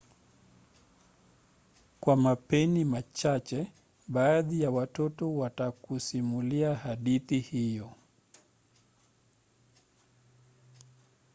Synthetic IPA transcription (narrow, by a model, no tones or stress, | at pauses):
kwamapɛnimat͡ʃat͡ʃɛ | ɓaːðijawatɔtɔwatakusimuliahaɗiθihijɔ